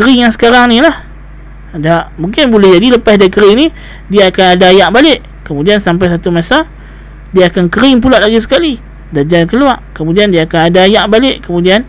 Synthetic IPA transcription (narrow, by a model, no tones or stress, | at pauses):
kəɾɪŋjaŋsə̥kaɾaŋnilah | daʔmuŋkɪnbulɛhd͡ʒadiləpasdakəɾɪŋni | diaːkanadaːjaʔbalɪʔ | kəmudiansamp̬ajs̬at̪umasa | diaːkankəɾɪŋp̬ulaʔlaɡas̬ə̥kali | dad͡ʒankəluaʔkəmudiandiaːkanadaːjaʔbalɪʔkəmudian